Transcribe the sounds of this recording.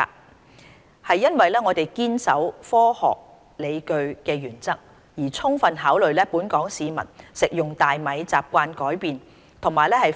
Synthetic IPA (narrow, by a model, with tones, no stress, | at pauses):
hɐ˨jːɐ˥nwɐ˨jlɛː˥ŋɔː˨˧t̪e˨˩jkiː˥nsɐ˨˥wfɔː˥hɔ̰ː˨k̚ | le˨˧jkɵ˧ɥkɛː˧jyː˨˩nt͡sɐ˥k̚ | jiː˨˩t͡sʰʊ˥ŋfɐ˨nɦaː˨˥wlɵ˨ɥlɛː˥puː˨˥nkɔː˨˥ŋsiː˨˧mɐ̰˨˩nsɪ˨k̚jʊ˨ŋt̪aː˨jmɐ˨˧jt͡saː˨p̚kʷaː˧nkɔː˨˥jpiː˨n | t̪ʰʊ˨˩ŋmaː˨jlɛː˥hɐ˨j